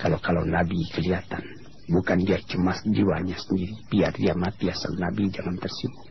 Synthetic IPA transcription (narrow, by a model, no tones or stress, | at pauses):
kalakala̰wnabikəliat̪an | bukandiat͡ʃəmasd͡ʒiwaɲasəndiɾipiardiamat̪iasa̰nabid͡ʒaŋant̪ərsimʊ